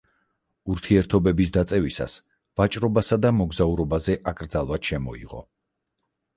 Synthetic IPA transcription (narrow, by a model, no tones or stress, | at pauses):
uɾt̪ʰiɛɾt̪ʰɔbɛbisd̪at̪sʼɛvisa̰s | vat͡ʃʼɾɔbasad̪amɔɡzauɾɔbazɛʔakʼɾd̪zalˠvad̪̥ʃɛmɔḭʁɔ̰